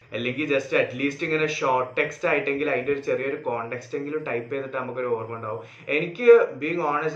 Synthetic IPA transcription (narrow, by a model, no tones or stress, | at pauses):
ɐlːe̞ŋɡild͡ʑɐstɨɐʈliːstːiŋːɐne̞ɕoːrʈːe̞kstaːjiʈːe̞ŋɡilɐðindeoɾut͡ɕe̞rijɐoɾukoːɳʈe̞kste̞ŋɡilumʈɐjpːenːiʈːɨnɐmukʲːoɾuoːrmuɳɖaːʋum | e̞nikʲːɨbiːiŋɡaːnɐs̬